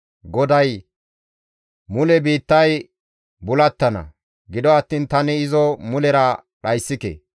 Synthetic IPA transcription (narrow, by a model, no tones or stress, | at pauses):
ɡɔd̪ɐj | mʊlɛbiːt̪ːɐj | bʊlɐt̪ːɐnɐ̰ | ɡɪd̪ɔɐt̪ːiːnt̪ɐnɛɪzɔmʊlɛɾɐ | ɗɐjsːɪkḛ